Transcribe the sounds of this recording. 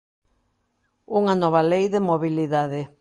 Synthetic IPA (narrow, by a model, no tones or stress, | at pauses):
uŋɐnɔβ̞ɐlejðɪmoβiliðaðɪ